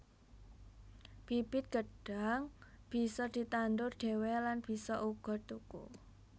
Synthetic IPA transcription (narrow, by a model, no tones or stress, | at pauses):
b̥ib̥ɪt̪̚ɡ̥əɖ̥a̤ŋb̥i̤sɔd̪̥i̤t̪and̪ʊrɖ̪̥e̤wɛlanb̥i̤sɔʔuɡ̥ɔ̤t̪ukṵ